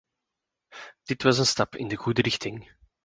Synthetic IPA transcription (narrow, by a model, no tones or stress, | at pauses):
d̥ɪtwɑzənstɑpɪ̰ndəɣuːdəɾɪxtɪŋ